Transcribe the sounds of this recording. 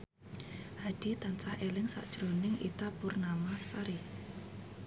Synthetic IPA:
had̥it̪ant͡ʃahelɪŋsa̰ʔd̥ʒ̥ɾonɪŋʔḭt̪apʊrnamasaɾi

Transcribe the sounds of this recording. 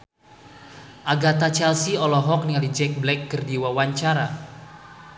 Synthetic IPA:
ʔaɡat̪at͡ʃɛlsiɔlɔɦɔk̚niŋalid͡ʒɛk̚blɛk̚ːərdiwawaɲt͡ʃaɾa

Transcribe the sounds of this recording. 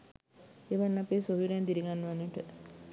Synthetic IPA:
eʋanːapeːsoɦiɾent̪iɾiɡanːəʋanːəʈə

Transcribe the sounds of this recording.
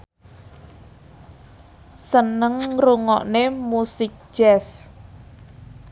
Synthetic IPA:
sənəŋruŋɔ̰ʔnemusɪk̚ʒ̥ɛs

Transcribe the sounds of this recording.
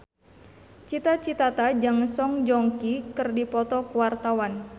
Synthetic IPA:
t͡ʃit̪at͡ʃit̪at̪ad͡ʒaŋəsɔŋd͡ʒɔŋkikɨrdipɔt̪ɔkuwart̪awan

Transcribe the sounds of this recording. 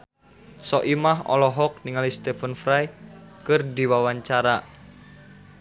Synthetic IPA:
sɔʔimaɦɔ̰lɔɦɔk̚niŋalist̪efənfɾajkɨrdiwawaɲt͡ʃaɾa

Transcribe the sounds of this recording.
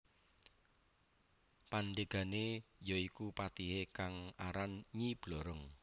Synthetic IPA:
panɖeɡ̥a̤nejɔikupat̪iɦekaŋaɾanɲib̥loɾəŋ

